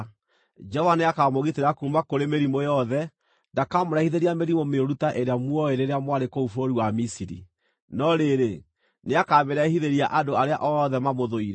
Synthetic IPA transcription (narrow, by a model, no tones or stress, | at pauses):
d͡ʒɔvaneakamoɣiteɾakumakoɾemeɾimojɔðɛ | ndakamoɾahiðeɾiameɾimomeoɾutaʔeɾeamwɔeɾeɾeamwaɾekoufoɾiwamisiɾḭ | nɔɾeɾe | neakameɾɛhiðeɾiaʔadoaɾea̰ʔɔðɛmamoðoiɾɛ